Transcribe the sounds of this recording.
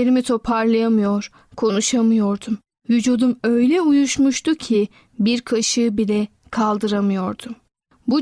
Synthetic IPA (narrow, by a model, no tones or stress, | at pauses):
eɾimit̪ʰo̞pʰaɾlˠɯjamɯjoɾ̥ | kʰo̞nuʃamɯjo̞ɾd̪um | vyd͡ʒud̪umø̞jlʲɛujuʃmuʃt̪ucʰi | biɾkʰaʃɯbilɛ | kʰalˠd̪ɯɾamɯjo̞ɾd̪um | bu